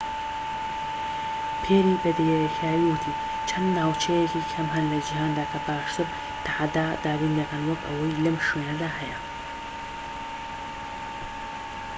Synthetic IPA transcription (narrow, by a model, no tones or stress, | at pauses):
pʰeːɾiːbɐd̪ejkʰaːjiwʊt̪ʰiː | t͡ʃʰɐnd̪naːwt͡ʃʰɐjekikʰɐmɦɐnlɐd͡ʒiɦaːnd̪aːkʰɐbaːʃt̪ɨɾ | t̪ʰaʕad̪aːd̪aːbiːnd̪ɐkʰɐnwɐkɐ̰wɐjlɐmʃweːnɐd̪aːɦɐjɐ